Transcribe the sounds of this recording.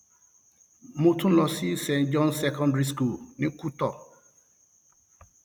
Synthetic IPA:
mõ˦tʰũ˦lɔ˨si˦sɛ̃˨nd͡ʒɔ̃˦nsɛ˦kʰɔ̃˦ndɹi˦sku˦˨lnɪ̃˦kʰu˦tɔ˨

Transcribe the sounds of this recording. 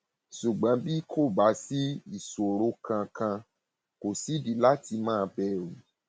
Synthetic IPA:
ʃu˨ɡ͡bã˨˦bi˦kʰo˦˨ba˨˦si˦i˦˨so˨ɾo˨˦kʰã˧kã˧ | ko˨si˨˦di˨la˦ti˧mãː˦˧bɛ˦˨ɾũ˨˦

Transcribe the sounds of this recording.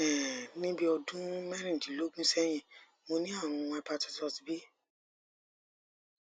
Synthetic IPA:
ɛ˨nĩ˦bi˦ɔ˧dũ˦mɛ˦ɾĩ˦˨dĩ˨lo˦ɡũ˦sɛ˦j̃ĩ˧˨ | mo˧nĩ˦a˦˨ɾ̃ũ˧a˧pa˧ti˧sɔ˧ti˨bi˦

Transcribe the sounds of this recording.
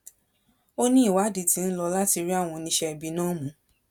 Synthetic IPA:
o˦nĩ˦i˦˨wa˨˦di˨ti˨˧n̩˦lɔ˧la˦ti˧ɾi˦a˦˨w̃ɔ̃˧nĩ˧ʃɛ˧˨bi˧nãː˦mũ˨˦

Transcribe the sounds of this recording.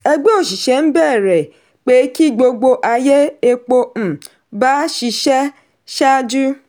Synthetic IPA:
e˦ɡ͡be˦o˨ʃi˨ʃe˨m̩˦bɛ˦˨ɾe˨ | k͡pe˨˦ki˦˨ɡ͡bo˨ɡ͡bo˦ʔa˨je˦e˦k͡po˦m̩˨ | ba˦ʃi˨ʃe˦ | ʃa˦d͡ʒu˦

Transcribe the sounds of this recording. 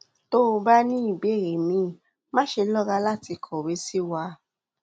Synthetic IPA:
to˦˧ba˦nĩ˦i˦˨be˨˦˨ɾe˨mĩ˨˦ | mã˦ʃe˧lɔ˦ɡa˧˦la˦˨ti˧kʰɔ˨we˨˦si˦wa˧˦

